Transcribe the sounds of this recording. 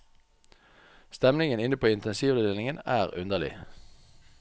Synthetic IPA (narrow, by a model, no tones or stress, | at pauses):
st̪ɛmnɪŋənɪnəpʰoːɪnt̪ɛnsiːʋd̪əd̪eːlɪŋənæːʁʉnd̪əʁlɪ̰